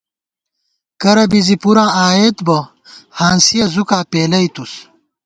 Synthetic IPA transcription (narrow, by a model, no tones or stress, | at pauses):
kɐɾɐbizipuɾãːʔaːeːt̪bɐ | haːnsijɐzukaːpeːlɐit̪us